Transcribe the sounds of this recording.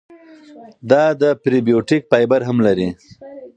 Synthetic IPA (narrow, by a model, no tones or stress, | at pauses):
d̪ɑd̪əpɾibijoʈik̚pɑjbaɾɦamlaɾi